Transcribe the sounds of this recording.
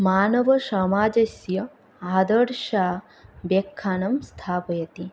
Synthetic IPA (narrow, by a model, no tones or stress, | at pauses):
maːnɐʋɐʃɐmaːd͡ʒɐsjɐ | aːd̪ɐɾʃaː | ʋekʰːaːnɐmst̪ʰaːpɐjɐt̪i